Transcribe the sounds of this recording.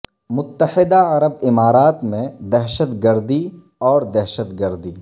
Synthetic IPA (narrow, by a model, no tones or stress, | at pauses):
mʊt̪ːəhɪd̪aɐɾəbɪmaːɾaːt̪mẽd̪ɛɦʃət̪ɡəɾd̪i | ɔːɾd̪ɛɦʃət̪ɡəɾd̪iː